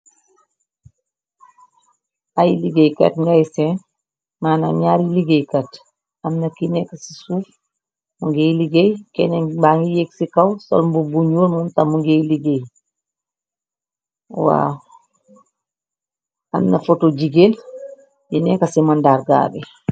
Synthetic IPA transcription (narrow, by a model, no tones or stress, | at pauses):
ajiliɡejka̰tŋɡajsɛn | maːna̰ɲaːɾiliɡejkat | amnakinɛkːasi̥suːf | muŋɡejliɡejkɛnɛbaŋɡijeksikawsɔ̰lmbubuɲolmumtamuŋɡejliɡej | wa̰ | a̰mnafotod͡ʒiɡel | jinɛkasimandaɾɡa̰ːbɛ̰